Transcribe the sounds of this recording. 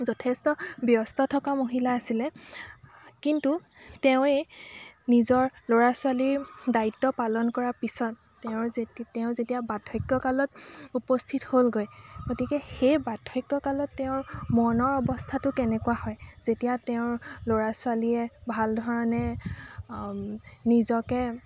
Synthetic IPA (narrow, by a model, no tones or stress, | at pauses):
zɔtʰɛstɔbjɔstɔtʰɔkamoɦilaːsilɛ | kintu | teʊ̃enizɔɹloɹasʊaliɹdaitːɔpalɔnkɔɹapisɔtːeʊ̃teʊ̃zetijabadʰʱɔjkːɔkalɔtupɔstʰitholɡojɡotikɛxejbatʰːɔjkːɔkalɔtːeʊ̃ɹmɔnɔɹɔbɔstʰatʊkɛnɛkuahɔjz̥etijateʊ̃ɹloɹaswaliɛbʱaldʱɔɹɔnɛ | nizɔkɛ